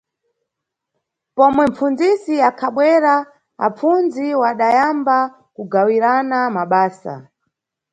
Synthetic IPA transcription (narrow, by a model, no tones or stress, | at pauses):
pɔmwɛm̩funzisiakʰaɓwɛɾa | a̰p͡funziwaɗajamba | kuɡawiɾanamaɓaːsa̰